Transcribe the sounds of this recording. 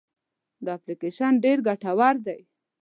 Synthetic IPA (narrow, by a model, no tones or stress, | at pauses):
d̪əaplikeʃanɖeɾɡaʈawaɾd̪aj